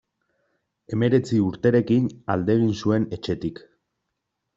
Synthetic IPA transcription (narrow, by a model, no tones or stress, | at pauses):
e̞me̞ɾe̞t͡siuɾt̪e̞ɾe̞kinald̪e̞ɣ̞insue̞ne̞t͡ʃe̞t̪ik